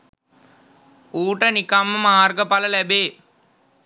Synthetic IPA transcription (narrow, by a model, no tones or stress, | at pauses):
uːʈənikɐmːəmaːrɡəpɐlɐlɛbeː